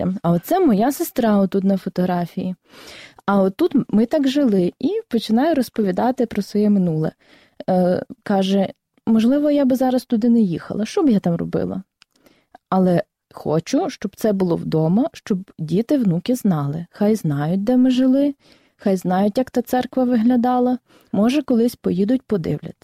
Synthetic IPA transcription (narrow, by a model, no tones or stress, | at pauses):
ɐɔt̪sɛmɔjɑsɪst̪ɾɑɔt̪ːut̪nɐfɔt̪ɔɦɾɑfʲiji | ɐɔt̪ːut̪mɪt̪ɑkʒɪlˠɪipɔt͡ʃɪnɑjʊɾɔspɔʋʲid̪ɑt̪ɪpɾɔsʋɔjɛmɪnulˠɛ̰ | kɑʒɛ | mɔʒlˠɪʋɔjabɪzɑɾɐst̪ʊd̪ɪnɛjixɐ̰lˠɐʃt͡ʃɔbjat̪ɑmrɔ̰bɪ̰lˠɐ̰ | ɐlˠɛ | xɔ̰t͡ʃʊʃt͡ʃɔb̥t̪sɛbʊlˠɔ̰wd̪ɔmɐʃt͡ʃɔbdʲit̪ɪwnukʲɪznɑlˠɪxɑjznɑjʊt̚ʲd̪ɛmɪʒɪlˠɪ | xɑjznɑjʊtʲjɐkt̪ɑt̪sɛrkʋɐʋɪɦlʲɐd̪ɑlˠɐ | mɔʒɛkɔlˠɪsʲpɔjid̪ʊt̚ʲpɔd̪ɪ̰wlʲɐ̰t̪ɪ̥